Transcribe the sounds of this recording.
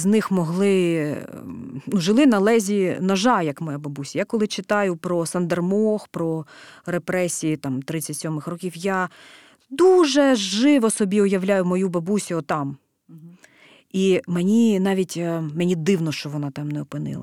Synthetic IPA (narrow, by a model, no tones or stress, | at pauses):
znɪxmɔɦlˠɪ | nuʒɪlˠɪnɐlˠɛzʲinɐʒɑjɐkmɔjabɐbusʲɐjakɔlˠɪt͡ʃɪt̪ɑjʊpɾɔsɐnd̪ɐrmɔxpɾɔɾepɾɛsʲijit̪ɑmt̪ɾɪt͡sʲːɐtʲsʲɔmɪxrɔkʲiwja | d̪uʒɛʒɪʋɔsɔbʲiʊjɐwlʲajʊmɔjubɐbusʲʊɔt̪ɑm | imenʲinɑʋʲitʲmenʲid̪ɪwnɔʃt͡ʃɔʋɔnɑt̪ɑmnɛɔpɪnɪ̰lˠɐ̰